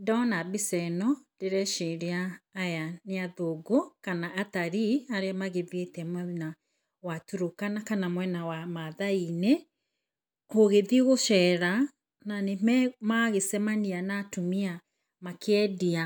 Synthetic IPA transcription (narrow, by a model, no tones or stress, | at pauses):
dɔnabisɛnɔd̥eɾɛʃeɾeaːjaneaðoɡokanaʔːtaɾiaɾeamaɣevetɛmɛna | watuɾokanakanamwɛnawamaðaine | oɣeðiɣoʃɛɾa | nanemɛmaɣesɛmanianatumia | makɛdia